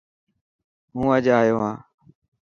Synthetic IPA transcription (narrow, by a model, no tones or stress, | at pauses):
ɦũːəd͡ʒaːɦjoːɦãː